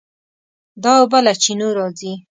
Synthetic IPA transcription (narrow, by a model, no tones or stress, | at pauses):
d̪ɑwbalat͡ʃinoɾɑzi